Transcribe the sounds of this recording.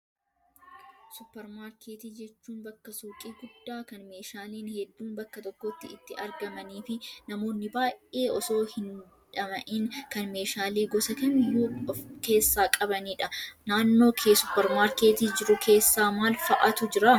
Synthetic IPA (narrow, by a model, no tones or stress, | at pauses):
sʊpːɛɾmaːɾkʰeːt̪iːd͡ʒɛt͡ʃːuːnbɐkːɐsuːkʼiːɡʊd̪ːaːkɐnme̞ːʃaːliːnhɛd̪ːuːnbɐkːɐt̪ɔkːɔt̪ːɪɪt̪ːɪʔɐɾɡɐmɐniːfɪnɐmo̞ːnːɪbaːjʔe̞ːʔɔso̞ːhɪn | ᶑɐmɐʔɪnkɐnme̞ːʃaːliːɡɔsɐkɐmhuːke̞ːsːaːkʼɐbɐniːᶑɐnaːnːo̞ːkʰeːsʊpːɛɾmaːɾke̞ːt̪iːd͡ʒɪɾʊkʰe̞ːsːaːmaːlfɐʔɐt̪ʊd͡ʒɪɾa